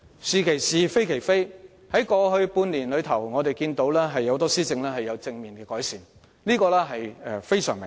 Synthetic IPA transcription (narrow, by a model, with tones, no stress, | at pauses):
siː˨kʰe˨˩jsiː˨˩fe˥jkʰe˨˩jfe˥j | hɐ˨˥jkɔː˧hɵ˧ɥpuː˧nliː˨˩nlɵ˨˧ɥt̪ʰɐ˨˩wŋɔː˨˧t̪e˨jkiː˧nt̪o˨˥wlɛː˥ɦɐ˨jːɐ˨˧wt̪̬ɔː˥siː˥t͡sɪ˧ŋlɛː˥hɐ˨jːɐ˨˧wt͡sɪ˧ŋmiː˨nkɛː˧kɔː˨˥jsiː˨n | liː˥kɔː˧lɛː˥ɦɐ˨jɛ˧fe˥jsœː˨˩ŋmɪ̰˨ŋ